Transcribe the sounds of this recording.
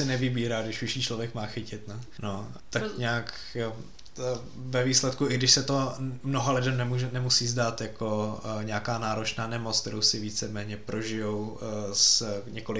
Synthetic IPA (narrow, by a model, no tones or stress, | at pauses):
sɛnɛvɪbiːɾaːɡdɪʃvɪʃiːt͡ʃlovjɛkmaːxɪcɪt̪nɛ | no | t̪akɲaːk | vɛviːslɛt̪kuʔɪɡdɪʃsɛt̪o̞mnoɦalɪdɛmnɛmuʒɛnɛmusiːzdaːt̪jako̞ɲɛakaːnaːɾot͡ʃnaːnɛmot͡sk̚t̪ɛɾowsɪviːt͡sɛmɛːɲɛpɾʔo̞ʒɪjowsɲɛkolɪ